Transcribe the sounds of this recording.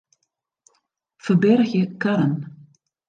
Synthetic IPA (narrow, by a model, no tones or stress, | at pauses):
fœbɛɾçɪkʰaɾan